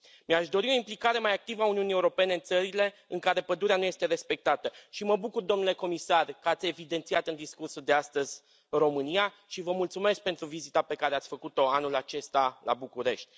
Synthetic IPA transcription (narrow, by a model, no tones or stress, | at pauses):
meaʃd̪o̞ɾio̞implikaɾe̞majak̚t̪ivəauniunije̞uɾo̞pe̞ne̞ɨnt̪səɾile̞ɨŋkaɾe̞pəd̪uɾeanuje̞st̪e̞ɾe̞spe̞k̚t̪at̪əʃiməbukurd̪o̞mnule̞ko̞misarkəat̪sʲe̞vid̪e̞nt̪siat̪ɨnd̪iskursud̪east̪əzʲ | ɨro̞mɨnia | ʃivəmult̪sume̞sk̚pe̞nt̪ɾuvizit̪ape̞kaɾe̞at̪sʲfəkut̪o̞anulat͡ʃe̞st̪alʔa̰bukuɾe̞ʃt̪ʲ